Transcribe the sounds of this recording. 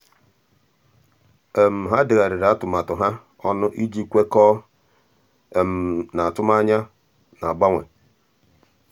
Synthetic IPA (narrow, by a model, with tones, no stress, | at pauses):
e˨m̩˨ɦa˦dɪ˨ɣa˨ɾɪ˨ɾa˨˦tʊ˨ma˨tʊ˨ɦa˦ | ɔ˦nʊ˦ʔi˦d͡ʒi˦kʷe˦kɔː˦˨ | m̩˨na˨tʊ˦ma˦ɲa˦ | na˨a˨ɡ͡ba˦ŋʷḛ˨